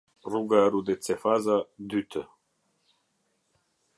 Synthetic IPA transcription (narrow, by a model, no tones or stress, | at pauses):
ruɡaɾud̪et͡sefazad̪yt̪ʰə